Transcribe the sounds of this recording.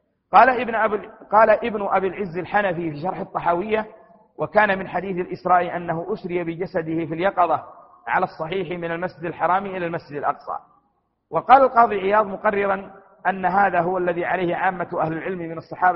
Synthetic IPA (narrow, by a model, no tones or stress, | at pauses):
qɑːl | qɑːlaʔɪbnʊʔabiːlʕɪzːɪlħanafifiːʃɑɾˤħɑt̪ˤːɑħaːwɪjːa | wʔakaːnamɪnħad̪iːθalʔɪsɾˤɑːʔiʔanːaɦʊʔʊʃɾɪjabɪd͡ʒasad̪ɪhɪfiljɑqɑðˤɑ | ʕa̰lasˤːɑħiːħmɪnalmasd͡ʒɪd̪alħɑɾˤɑːmiʔɪlalmasd͡ʒɪd̪alʔɑqsˤɑ̰ː | wɑqɑːlalqɑːðˤiʕɪjɑːðˤmʊqɑrːɪɾan | ʔanːaɦaːðaɦʊwalːaðiːʕalajhɪʕaːmːaʔahlɪlʕɪlmmɪnɑsˤːɑħɑːb